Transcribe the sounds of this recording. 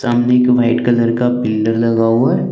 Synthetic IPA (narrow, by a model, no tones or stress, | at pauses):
saːmnekʋaɪʈkɐləɾkabɪlɖəɾlɐɡaoəɾ